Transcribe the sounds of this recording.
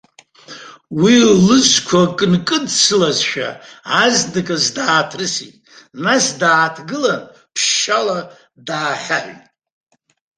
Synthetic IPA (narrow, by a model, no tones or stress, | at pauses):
willɨskʷʰakʼɨnkʼɨdsɨlazʃᶣa̰azdɨkʼazdaːtʰrɨsḭtʼ | nasdaːtʰɡɨlan | pʰʃala | daːχʲaħʷᶣtʼ